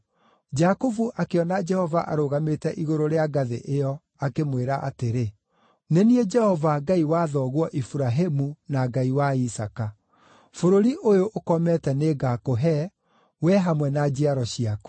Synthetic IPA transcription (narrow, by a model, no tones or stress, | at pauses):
d͡ʒakovuʔakeɔnad͡ʒɛhɔvaʔa̰ɾoɣametɛʔiɣoɾoɾeaɡaðeʔejɔ | akemweɾaʔa̰teɾe | nenied͡ʒɛhɔvaɡaiwaðɔɣwɔʔifuɾaɦemunaɡaiwaisaka | foɾoɾiʔojoʔokɔmɛtɛneːɡakoɦɛ | wɛɦamwɛnad͡ʒiaɾɔɕiaku̥